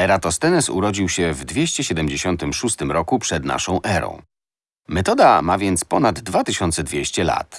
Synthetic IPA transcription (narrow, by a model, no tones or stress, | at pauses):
ɛɾat̪ɔst̪ɛnɛsṵɾɔd͡ʑiwɕɛvd̪vʲjeɕt͡ɕɛɕɛd̪ɛmd͡ʑeɕɔnt̪ɘmʂust̪ɘmɾɔkupʂɛd̪na̰ʂɔ̃w̃ʔɛɾɔ̰̃w̃ | mɛt̪ɔd̪amavʲjɛnt̪spɔnad̪ːvat̪ɘɕɔnt̪sɛd̪vʲjeɕt͡ɕɛla̰t̪